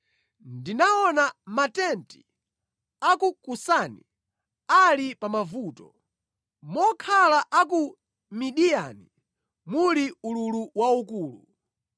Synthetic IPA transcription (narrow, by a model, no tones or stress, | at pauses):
ndinaɔnamatɛnti̥ | akukusanḭ | alipamavuːtɔ | mɔkʰalaʔaku | miɗija̰ni | muliululuwaukuːlu